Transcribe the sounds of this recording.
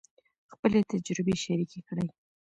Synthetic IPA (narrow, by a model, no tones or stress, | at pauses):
xpəlet̪ad͡ʒɾɪbeʃaɾikekɽəj